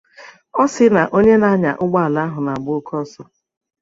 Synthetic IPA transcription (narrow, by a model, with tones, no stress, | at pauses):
ɔ˦sɪ˦na˨ʔo˦ɲe˦na˦ɲa̰˨ʔʊ˦ɡ͡ba˦a˨la˦ɦʊ˨na˨ɡ͡bʊ˦kʰɔ˦sɔ˦